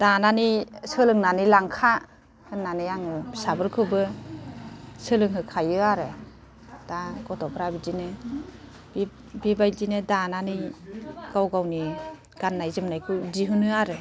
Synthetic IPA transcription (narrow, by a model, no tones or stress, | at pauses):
d̥ananisɯlɯŋnanilaŋkʰa | hɯnːanɯjaŋɯsabɯɾkʰɯbɯ | sɯlɯŋɦɯkʰajɯaɾe | d̥aɡɔtɔpʰɾabizine | b | bibajdinedananɯjɡ̥awɡawni | ɡ̥anːajzɯmnajkʰɯziɦɯnɯaɾɯ